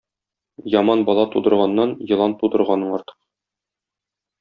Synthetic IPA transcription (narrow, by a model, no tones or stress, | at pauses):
jɒmɑnbɒlˠɑt̪ud̪ɤ̆ɾʁɑnːɑnjɤ̆lˠɑnt̪ud̪ɤ̆ɾʁɑnɤɴɒɾt̪ɤ̥q